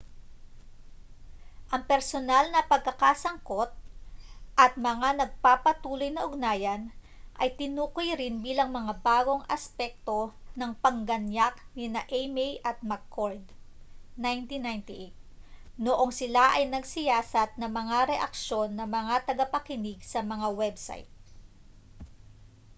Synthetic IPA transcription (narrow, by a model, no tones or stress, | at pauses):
ʔɐŋpɛɾsonalnɐpɐɡ̚kɐkasɐŋko̞t̪̚ | ʔɐt̪̚mɐŋanɐɡ̚papɐt̪uːlo̞jnɐʔʊɡ̚naːjɐn | ʔɐjt̪ɪnuːkojɾɪnbiːlɐŋmɐŋabaːɡo̞ŋʔɐspɛk̚t̪o̞nɐŋpɐŋɡɐnjak̚nɪnaʔejmɛjʔɐt̪̚makːoɹd̪ | najnt̪inajnt̪ɪʔejt̪̚ | noʔoŋsɪlaʔɐjnɐɡsɪjaːsɐt̪̚nɐmɐŋaɾɛʔɐk̚ʃo̞nːɐmɐŋat̪ɐɡɐpɐkɪnɪɡ̚sɐmɐŋawɛbsa̰jt̪̚